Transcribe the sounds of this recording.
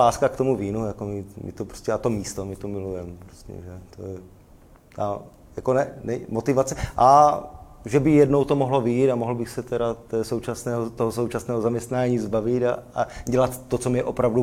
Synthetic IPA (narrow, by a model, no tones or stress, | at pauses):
aːskakt̪omuviːnujakomɪmɪ̰t̪opɾoscɛat̪omiːst̪omɪt̪omɪlujɛmpɾoscɛ̰ʒɛt̪ojɛ | t̪a̰ | jakonɛnɛmot̪ɪvat͡sɛʔa | ʒɛbɪjɛdnowt̪omoɦlovɪjit̪amoɦl̩bɪxsɛt̪ɛɾat̪ɛːsowt͡ʃasnɛːɦot̪oɦosowt͡ʃasnɛːɦozamɲɛst̪naːɲiːzbavɪt̪aaɟɛlat̪ːot͡somɲɛʔopɾavdu